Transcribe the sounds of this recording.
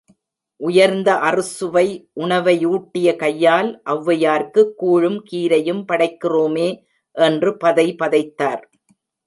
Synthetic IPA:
ʔʊjɐɾnd̪ɐʔɐrɯsɯʋɐɪʔʊɳɐʋɐjuːʈːɪjɐkɐjːaːlʔɐʋːɐjaːɾkɯkːuːɻɯmkiːɾɐjɯmpɐɽɐɪkːɪroːmeː | ʔɛndrɯpɐðɐɪpɐðɐɪt̪ːaːɾ

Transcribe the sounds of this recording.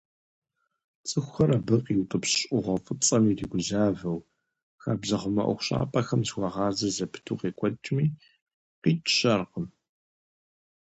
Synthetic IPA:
t͡sʼɨxʷxɐɾabɨqiwtʼɨpɕɕʼʔʊʁʷɐfʼɨt͡sʼɐmiːriɡʷʊzaːvɐw | xaːbzɐχʷʊmɐ̰ʔʷʊ̰xʷɕʼa̰ːpʼɐxɐmzwʷɐʁɑːzɐzɐpʰɨ̥tʰuːqeːkʷʼɔt͡ʃʼmiː | qiːt͡ʃʰʼɕɐrqəm

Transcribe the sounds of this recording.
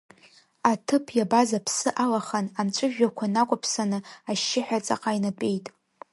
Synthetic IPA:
atʰɨpʰjabazapʰsɨʔalaχanamt͡ʃʷʼɨʒᶣakʷʰanakʷʼʊpʰsanɨaʃːɪħᶣat͡sʼa̰qʼajnapʼe̞jtʼ

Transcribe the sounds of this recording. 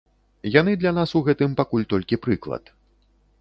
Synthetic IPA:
jan̪ɨd̪lʲan̪asuɣɛt̪ɨmpakulʲt̪ɔlʲkʲipɾɨklˠɐ̰t̪

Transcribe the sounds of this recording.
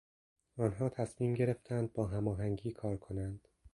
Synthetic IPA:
ɒːnɦɒːt̪ʰæsmiːmɟe̞ɾe̞ft̪ʰænd̪̚bɒːɦæmɒːɦæŋɟiːkʰɒːɾkʰo̞nænd̪̥

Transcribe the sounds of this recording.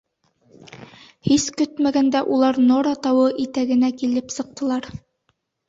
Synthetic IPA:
hiskɵt̪mæɡænd̪æʔulˠɑɾnoɾɑt̪ɑwɤʔit̪æɡɘ̆nækilɘpsɤ̆q̚t̪ɤ̆lˠɑɾ

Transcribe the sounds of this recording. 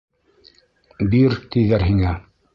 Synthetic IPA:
biɾt̪iðæɾɦiŋæ

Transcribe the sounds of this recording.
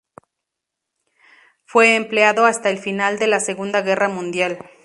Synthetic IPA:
fwe̞ːmpleaðo̞ast̪aelfinald̪e̞lase̞ɣund̪aɣe̞ramũnd̪jal

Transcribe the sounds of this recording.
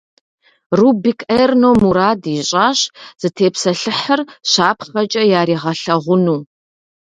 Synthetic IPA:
rubikʰʔɐjrnowmuɾaːdiɕʼaːɕz̥ɨtʰeːpsɐɬɨħərɕaːpʰχɐt͡ʃʼɐjaːɾiːʁɐɬɐʁʷʊnuː

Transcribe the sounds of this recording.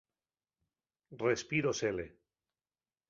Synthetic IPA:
respiɾosele

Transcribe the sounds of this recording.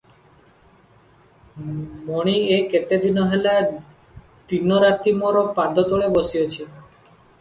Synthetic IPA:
mɔɽ̃ieket̪ed̪inɔɦela | d̪inɔɾat̪imɔɾɔpad̪ʱɔt̪oɭebɔsiot͡ʃʰi

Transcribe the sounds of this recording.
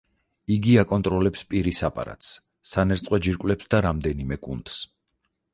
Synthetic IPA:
iɡiakʼɔnt̪ʼɾɔlɛpspʼiɾisapʼa̰ɾa̰t̪ʰs | sanɛɾt̪sʼqʼwɛd͡ʒiɾkʼwlɛpsd̪aɾamd̪ɛnimɛkʼundt̪s

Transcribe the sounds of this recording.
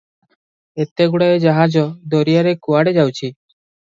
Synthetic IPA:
et̪eɡuɽaed͡ʒaɦad͡ʒɔd̪ɔɾijaɾekuaɽed͡ʒawt͡ʃʰi

